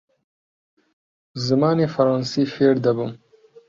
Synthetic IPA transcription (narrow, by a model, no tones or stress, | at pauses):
zɪmɑːnefaɾɑːnsifeɽd̪abum